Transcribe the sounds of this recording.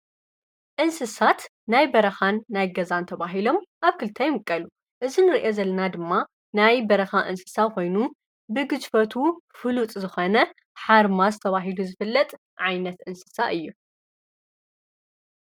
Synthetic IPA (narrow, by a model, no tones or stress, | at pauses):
ʔɨnsɨsat̪ | najbɐɾɐxanːajɡɐzant̪ʰɐβaɦilo̞mʔaβkʰɨlt̪ʰajmɨkʼːɐlu | ʔɨzinɨɾiʔe̞zɐlːɐnad̪ɨmːa | najbɐɾɐxaʔɨnsɨ̥sakʰo̞jnu | bɨɡɨd͡ʒfɐt̪ʰufɨlut̪ʼzɨxonɐ | ħaɾmazɨt̪ʰɐβaɦiluzɨfɨlːɐt̪ʼ | ʕajnɐt̪ʔɨnsɨ̥saʔɨjːu